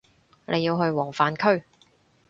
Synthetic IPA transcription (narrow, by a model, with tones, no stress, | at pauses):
lʔḛ˨˧jiː˧wɦɵ˧ɥwɔː˨˩ŋfaː˨˧nkʰɵ˥ɥ